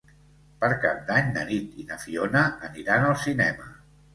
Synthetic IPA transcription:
pəɾkap̚d̪aɲd̪ə̰nit̪inəfionəːniɾanəlˠsinɛmə

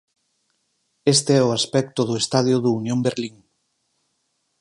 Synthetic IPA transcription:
est̪eɛʊaspɛk̚t̪ʊðʊest̪aðjʊðuunjõmbeɾliŋ

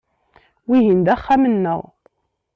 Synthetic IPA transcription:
wiɦind̪æχːæmənːəðˤ

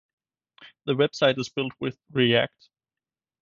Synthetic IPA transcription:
ðəwɛb̥saɪɾɨz̥fɪlˠt̚wɪðɹiæ̰k̚t

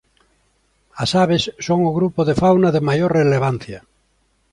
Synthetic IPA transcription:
asaβ̞esːoŋoɣɾupoðefawnaðemajoɾreleβ̞an̟θja

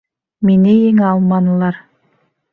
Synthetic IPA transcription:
minɘjiŋɑlˠmɑnɤ̆lˠɑɾ

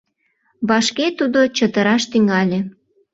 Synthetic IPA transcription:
βɑʃket̪ud̪ot͡ɕət̪əɾɑʃt̪yŋɑlʲe

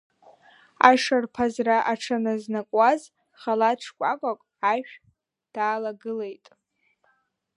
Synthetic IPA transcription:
a̰ʂarpʰazraʔaʈ͡ʂʰanɨznakʷʼaz | χalaʈ͡ʂʰkʷʼakʷʼakʷʼʕaʃᶣ | d̥aːlaɡɨle̞jtʼ

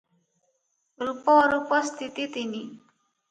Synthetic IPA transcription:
ɾupɔɾupɔst̪it̪it̪ini

